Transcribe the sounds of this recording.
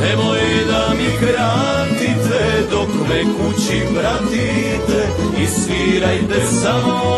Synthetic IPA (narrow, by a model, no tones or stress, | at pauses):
nɛmojd̪amikɾa | t̪it̪ɛd̪okmɛkut͡ɕipɾat̪i | t̪ɛ | isʋiɾajt̪ɛsamo